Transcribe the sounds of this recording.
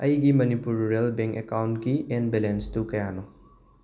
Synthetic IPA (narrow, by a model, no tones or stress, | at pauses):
ɐjɡimɐnipuɾːelbeŋkekawntɡienbelenstukɐjano